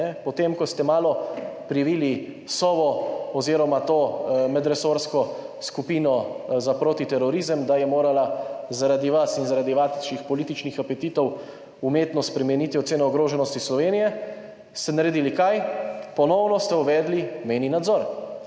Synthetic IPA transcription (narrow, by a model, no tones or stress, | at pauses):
ɛpɔt̪emkɔst̪ɛmaːlɔpɾiʋiːli | sɔʋɔɔziɾɔmat̪oːmɛd̪ɾɛsoːɾskɔskupiːnɔzapɾoːt̪it̪ɛɾɔɾizəmd̪ajɛmoːɾalazaɾad̪iʋasinzaɾaːd̪iʋaʃixpɔlit̪it͡ʃnixapɛt̪iːt̪ɔw | umeːt̪nɔspɾɛmɛniːt̪iɔt̪seːnɔɔɡɾoːʒɛnɔst̪islɔʋeːnijɛ | st̪ɛnaɾed̪ilikajpɔnɔwnɔst̪ɛuʋɛːd̪limeninad̪zɔɾ